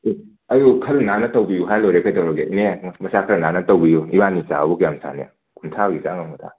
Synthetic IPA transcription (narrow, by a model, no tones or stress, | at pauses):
ɐjukʰɐɾnanɐtɐwbijuɦajlojɾekʰajtɐwɾɔɡenemɐsakʰɐɾɐnanɐtowbijuibanit͡ʃa̰bukjamsa̰nija̰ | kʰuntʰaɡisaŋamɐtʰa̰